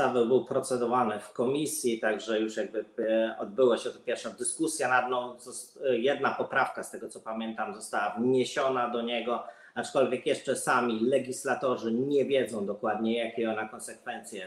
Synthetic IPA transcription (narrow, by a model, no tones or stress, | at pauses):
avɛwbɘwpɾɔt̪sɛd̪ɔvanɘfkɔmʲisʲjit̪aɡʐɛjuʂjaɡ̚bɘɔd̪̚bɘwaɕɛt̪ɔpʲjɛɾfʂɔ̃w̃d̪ɘskusʲjɛnad̪nɔ̃w̃zɔjɛd̪napɔpɾafkast̪ɛɡɔt̪sɔpamʲjɛnt̪amzɔst̪awavɲeɕɔnad̪ɔɲɛɡɔ | at͡ʂkɔlvʲjɛkjɛʂt͡ʂɛsamʲilɛɡʲislat̪ɔʐɘɲɛvʲjɛd̪zɔ̃w̃d̪ɔkwad̪ɲɛjakʲɛɔnakɔ̃nsɛkfɛnt̪sʲjɛ